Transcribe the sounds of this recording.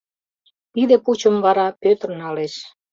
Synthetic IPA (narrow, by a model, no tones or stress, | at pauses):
t̪id̪eput͡ɕəmβɑɾɑpøt̪ərnɑleʃ